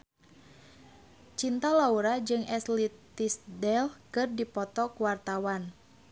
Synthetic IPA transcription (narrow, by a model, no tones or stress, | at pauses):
t͡ʃint̪alauɾad͡ʒɨŋʔɛslit̪isdɛlkɨrdipɔt̪ɔkuwart̪awan